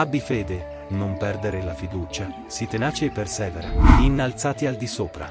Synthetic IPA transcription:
abːifeːd̪e | nompɛrd̪eɾelafid̪uːt͡ʃa | sit̪enaːt͡ʃeːpːersɛːveɾa̰inːalt̪saːt̪iald̪isoːpɾa̰

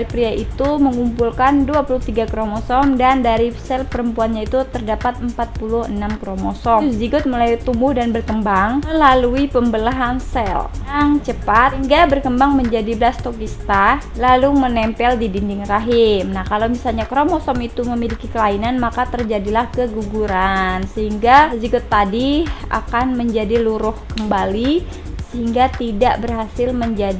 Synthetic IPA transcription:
ɾipɾiaʔit̪uməŋumpulkanduapulʊht̪iɡakɾomɔsɔmdandaɾisɛlpəɾəmpuanɲait̪ut̪ərdapat̪̚əmpat̪̚pulʊhənamkɾomɔsɔsd͡ʒiɡʊt̪̚məlajt̪umbʊhdanbərkəmbaŋməlaluipəmbəlaɦansɛljaŋt͡ʃəpat̪hiŋɡabərkəmbaŋməɲd͡ʒadibəlast̪okist̪a | lalumənɛmpɛldibindɪŋraɦɪmnahkalawmisalɲakɾomɔsɔmit̪uməmilikikəlainanmakat̪ərd͡ʒadilahkəɡuɡuɾansəɦiŋɡazikut̪ːadia̰kanməɲd͡ʒadiluɾʊhkəmbali | səɦiŋɡat̪idaʔbərɦasɪlməɲd͡ʒadi

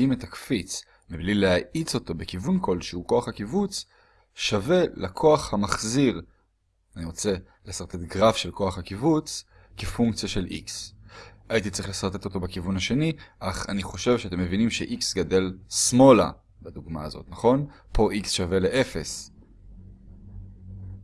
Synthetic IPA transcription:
imet̪akfit͡s | miblilehaʔit͡so̞t̪o̞bekivunkʰo̞lʃeuko̞aχhakivut͡s | ʃave̞lakʰo̞aχhamaχziʁ | aniʁo̞t͡se̞ | lesaʁt̪e̞t̪ɡʁafʃe̞lkʰo̞aχhakivut͡s | kefuŋkt͡sjaʃe̞lʔḭks | ait̪̬itt͡sʁiχlesaʁt̪e̞t̪o̞t̪o̞bekivunhaʃe̞niʔaχaniχo̞ʃe̞vʃeat̪e̞mːevinimʃeʔiksɡade̞lsmo̞la̰ | bad̪uɡmaa̰zo̞̰t̪naχo̞n | pʰo̞ʔiksʃave̞le̞ʔe̞fe̞̰s

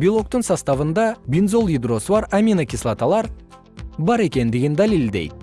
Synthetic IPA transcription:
bilˠo̞k̚t̪əŋsɑst̪ɑvənd̪ɑbʲinzo̞lˠid̪ɾo̞səbɑɾamʲinakʲislˠat̪alˠɑɾ | bɑɾe̞kʲe̞nd̪ɪɡʲɪnd̪alild̪e̞̰jd̪

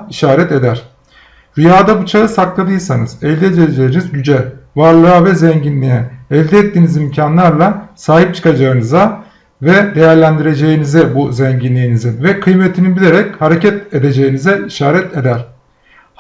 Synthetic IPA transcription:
iʃaːɾɛt̪e̞d̪æɾ̝̥ | ɾyjaːd̪abut͡ʃʰaɯsaklˠad̪ɯjsanɯz̥ɛlʲd̪ɛd͡ʒ̪ed͡ʒejinizɟyd͡ʒɛvaɾlˠɯavɛzɛɲɟinlʲijɛːlʲd̪ɛːt̪ːiːnizimcʰanlˠaɾlˠasaːɦip̚t͡ʃʰɯ̥kad͡ʒaɯnɯza | vɛd̪e̞jæɾlʲænd̪iɾe̞d͡ʒe̞jinizɛbuzɛɲɟinlʲijinizinvɛkʰɯjmet̪ʰinibilʲeɾɛchaɾecʰɛt̪ed̪e̞d͡ʒe̞jinizɛiʃaːɾɛt̪ʰe̞d̪æɾ̥

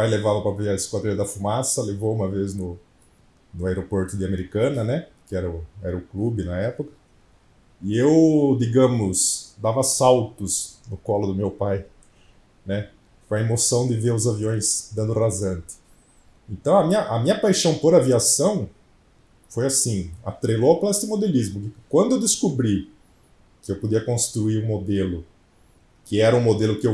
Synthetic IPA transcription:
pajlevavɐpɾɐbeaɾɪskwad̪ɾĩɐd̪ɐfumasɐlevoũmɐveznʊ | nʊaeɾopoɾt̪ʊd̪ɪameɾikɐ̃nɐnɛkɪɛɾɐʊɛɾɐʊklubɪnɐɛpʊkɐ̥ | ɪewd̪iɡɐ̃mʊsd̪avɐasawt̪ʊsnʊkɔlʊd̪ʊmewpaj | nɛ | kõɐemosɐ̃w̃d̪ɪveɾʊzaviõj̃sd̪ɐ̃nd̪ʊrazɐ̃nt̪ɪ̥ | ẽnt̪ɐ̃w̃ɐmĩɲɐʔɐmĩɲɐpajʃɐ̃w̃poɾaviasɐ̃w̃ | fojasĩɐ̰t̪ɾejloaplaest̪ɪmod̪elizmʊkɪkwɐ̃nd̪ʊewd̪ɪskubɾi | kɪewpod̪iɐkõst̪ɾuiɾũmod̪elʊ | kɪɛɾɐũmod̪elʊkɪew

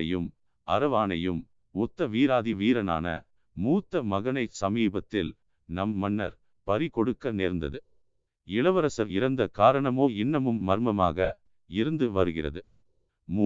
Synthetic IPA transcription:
ɐjɯm | ɐɾɐʋaːnɐjɯm | ʊt̪ːɐʋiːɾaːðiʋiːɾɐna̰ːnɐ̰ | muːt̪ːɐmɐɣɐɳɐɪsɐmiːbɐt̪ːɪl | nɐmːɐnːɐ̰ɾ | pɐɾɪkɔɽɯkːɐneːɾnd̪ɐ̰ðɯ | ɪɭɐʋɐɾɐsɐɾɪɾɐnd̪ɐkaːɾɐɳɐmoːɪɳːɐmɯmːɐɾmɐma̰ːɣɐ | ɪɾɯnd̪ɯʋɐɾɯɣɪrɐ̰ðɯ | mu

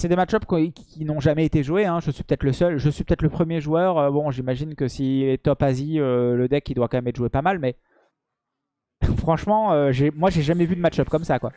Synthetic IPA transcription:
sɛd̪emat̪ʃɔpkkʲinɔ̃ʒamɛet̪eʒueɛ̃ʒəsɥipø̥t̪ɛt̪ləsœlʒəsɥipøt̪ɛt̪ləpχəmjeʒuœʁøbɔ̃ʒimaʒinkəsilɛt̪ɔpaziøləd̪ɛkid̪wakɑ̃mɛmɛt̪ʒwepamalmɛ | fχɑ̃ʃmɑ̃øʒemwaʒeʒamɛvyd̪əmat̪ʃɔpkɔmsakwa

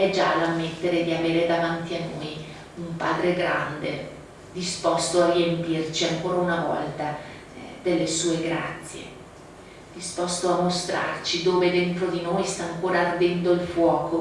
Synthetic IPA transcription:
ɛd͡ʒalamːet̪ːeɾed̪iaveːɾed̪avant̪ianːoj | umpa̰ːd̪ɾeɡɾa̰nd̪e | d̪ispɔst̪oariempirt͡ʃiaŋkoːɾaunavɔ̰lt̪a | d̪elːesuːeɡɾa̰t̪sːjḛ | d̪̥ispɔst̪oamːost̪ɾa̰rt͡ʃid̪oːved̪ent̪ɾod̪inoːjst̪aːŋkoːɾaːrd̪ɛnd̪oilfwɔːko

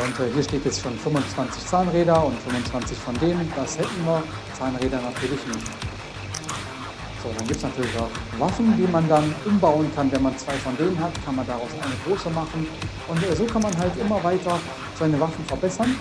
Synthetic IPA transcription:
ʔʊntɛːhiːɐʃteːtjɛt͡stʃoːnfʏmʊnt͡sv̥ant͡sɪçt͡saːnʁeːɾɐʊntfʏmʊnt͡sv̥ant͡sɪçfɔndeːnənd̥ashɛtn̩viːɐ | t͡saːnʁeːdɐnatʰyːɐlɪçnɪçt | z̥oːdanɡiːp̚tsnatʰyːɐlɪçaʊχvafn̩diːmandanʔʊmbaʊənkʰanvɛnmant͡sv̥aɪfɔndeːnənɦatkʰanmandaʁaʊsʔa̰ɪnəɡʁoːsəmaχn̩ʔʊntɛzoːkʰanmanɦaltʔɪmɐvaɪtɐ | z̥aɪnəvafn̩fɛɐbɛsɐn

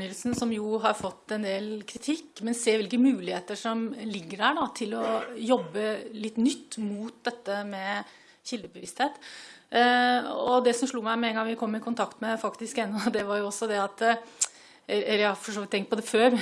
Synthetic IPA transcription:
ʏːəlsnsɔmjʊɦɑɾfɔt̪ːɛnd̪eːlkʰɾɪt̪ʰɪkːmɛnseːʋɪlkəmʉːlɪheːt̪əʂɔmlɪɡːəɖæɖɑt̪ʰɪlɔjɔbːəlɪt̪ːnʏt̪ːmuːt̪̚d̪ɛt̪ːəmɛ | çɪld̪əbəʋɪst̪heːt̪ | ɔd̪ɛsɔmʂɭuːmæɪmɛɛŋɡɑŋʋɪkʰɔmːɪkʰʊnt̪ʰɑkt̪mɛfɑkt̪ɪskɛnːɔd̪ɛʋɑɾjʊɔsːɔd̪ɛɑt̪ | ɛəjɑfɔʂoːʋɪt̪ʰːɛŋkt̪̚pʰɔd̪ɛføːɾ

